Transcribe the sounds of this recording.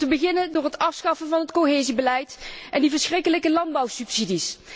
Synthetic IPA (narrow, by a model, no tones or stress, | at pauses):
təbəɣɪnəndʊːɹɦətɑfsχɑfəvɑnɦətkoɦeːzibəlɛjtʔɛndivəɹsxrɪkələkəlɑndbɑwsypsidis